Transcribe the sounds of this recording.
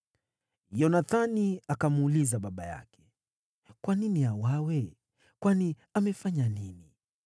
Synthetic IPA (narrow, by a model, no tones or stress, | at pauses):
jɔnaθaniakamuulizaɓaɓaja̰kɛ̥ | kwaniniawawɛ | kwani | amɛfaɲanini